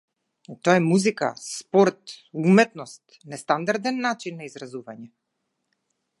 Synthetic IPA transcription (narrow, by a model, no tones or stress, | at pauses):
t̪oaɛmuzika̰spɔɾt̪umɛt̪nɔst̪ | nɛst̪and̪aɾd̪ɛnːat͡ʃinːaizɾazuvaɲɛ